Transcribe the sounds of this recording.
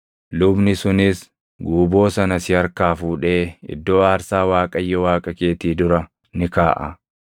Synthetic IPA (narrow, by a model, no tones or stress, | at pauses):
lʊbnɪsʊnɪs | ɡuːbo̞ːsɐnɐsɪɐɾkaːfuːᶑe̞ːɪ̰d̪ːo̞ːaːɾsaːwaːkʼɐjːɛwaːkʼɐke̞ːt̪iːd̪ʊɾɐ | nɪkaːʔɐ̰